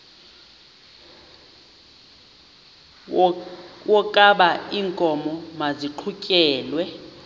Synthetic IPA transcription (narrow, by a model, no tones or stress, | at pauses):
wɔkʼaɓaiːŋkʼɔmɔmaziǃʰukʼɛːlwɛ